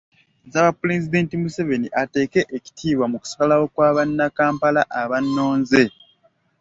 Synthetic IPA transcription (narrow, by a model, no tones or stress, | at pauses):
zaβapːulezid̪eːntimuseve̞niʔate̞ːke̞ʔeci̥tʰiːβwamuku̥si̥kalawo̞kwaːβanːakaːmpalaʔaβanːo̞ːnze̞